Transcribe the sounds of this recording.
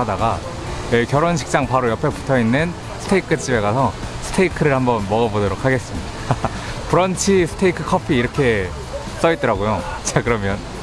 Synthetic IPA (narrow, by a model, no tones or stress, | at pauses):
adaɡa | jekjʌɾonɕ̬ʰi̥k̚t͡ɕ͈aŋpaɾojʌpʰepu̥tʰʌinːɯn | sʰɯ̥tʰeikʰɯt͡ɕ͈ibe̞ɣasʰʌsʰɯ̥tʰeikʰɯɾɯɭhambʌnmʌɣʌbodoɾokʰaɡe̞s͈ɯmɲida | puɾʌnt͡ɕʰisʰɯ̥tʰeikʰɯ̥kʰʌpʰiːɾʌkʰe̞ | s͈ʌit͈̚ʌɾaɡojot͡ɕakɯɾʌmjʌn